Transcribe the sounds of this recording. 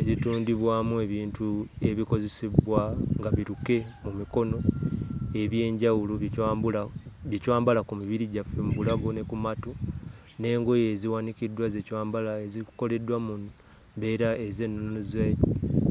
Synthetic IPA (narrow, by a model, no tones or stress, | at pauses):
eɾituːndiβwaːmue̞βiːntue̞βiko̞ze̞seβwaŋɡaβiɾuke̞mumiko̞no̞ | e̞βje̞ːɲɟawuluaβjecwaːmbalakumiβiɾiɟafːe̞muβulaɡo̞ne̞kumatu | ne̞ːŋɡo̞je̞ziwanikidːwaze̞cwaːmbalaeziko̞le̞dːwamun | be̞ːɾae̞ze̞nːunnuzaj